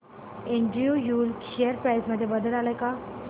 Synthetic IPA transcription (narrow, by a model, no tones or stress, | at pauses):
eɳʈɾiujuːlkeəɾpɾajsməd̪ʱːjebəd̪əlalajka